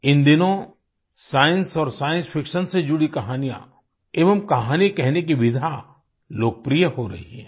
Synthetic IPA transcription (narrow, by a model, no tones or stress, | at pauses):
ɪ̃nd̪ɪnõ | saːjɪə̃nsɔːɾsaːjə̃nspʰɪkʃənsed͡ʒʊɽikɐɦaːnijã̰ | eːʋəmkɐɦaːnikɛɦnekiʋɪd̪ʱa | loːk̚pɾijəɦoɾɐ̰ɦiɦɛ̰̃ː